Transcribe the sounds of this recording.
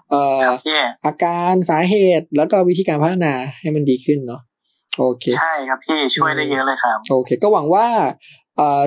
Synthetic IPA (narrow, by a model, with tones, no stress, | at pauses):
ʔəː˨˦iː˥˩ʔaː˧kaː˧nsaː˩˦ɦeː˨˩t̪̚lɛː˦˥wkɔː˥˩wi˦˥t̪ʰiː˧kaː˧npʰa˦t̪ʰːa˧naː˧ha˥˩jma˧ndiː˧kʰɯ˥˩nːɔ˦˥ | ʔoː˧kʰeː˧a˥˩jkʰa˦˥p̚pʰiː˥˩t͡ɕʰu˥˩əjdaː˥˩jːɤ˦˥lɤː˧˩jxʰa˦˥p̚ʔoː˧kʰeː˧kɔ˥˩wa˩˦ŋwaː˥˩ | ʔɤː˨˩